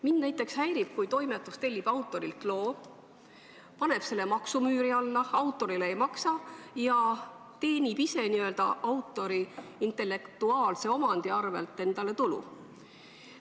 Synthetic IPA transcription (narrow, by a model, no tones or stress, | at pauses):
minːnæjt̪ːˑe̞kshæjɾib̥̚kujt̪o̞jmet̪ːˑust̪e̞lʲːib̥ɑwt̪ːˑo̞ɾilk̪lo̞ː | pɑne̞b̥se̞lːemɑksumyːɾiɑlːɑɑwt̪ːˑo̞ɾileejmɑksɑjɑ | t̪e̞ːnʲibise̞niø̞ld̪̥ɑʔɑwt̪ːˑo̞ɾiint̪ˑe̞lːe̞kt̪uɑːlse̞o̞mɑnd̪̥iɑrve̞̰lt̪ːˑe̞nd̪̥ɑle̞t̪ulṵ